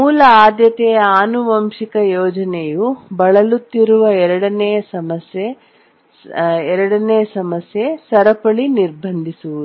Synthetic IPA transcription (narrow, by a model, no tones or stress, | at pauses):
muːlɐaːd̪jɐt̪ɛjɐaːnuʋɐmʂikɐjɔːd͡ʒɐnejubɐɭɐlut̪ːiɾuʋɐɛɾɐɽɐnɛjɐsɐmɐsje | ɛɾɐɽɐneːɐsɐmɐsjesɐɾɐpɐɭiniɾbʱɐnd̪ʱisuʋud̪u